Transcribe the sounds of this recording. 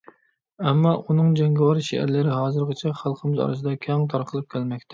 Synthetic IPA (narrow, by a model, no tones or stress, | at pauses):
ɛmːɑʔunɨŋd͡ʒɛŋɡʲɛwɑɾʃḛæ̰ɾlɪɾɪɦɑːzɨɾʁət͡ʃʰɛχælˠqʰəmɪzɑ̰ɾɨs̬ɨd̪ɑkʲʰɛŋt̪ʰɑɾqʰəlˠɨp̚kʲʰælmɛk̚ʲt̪ʰɪ̥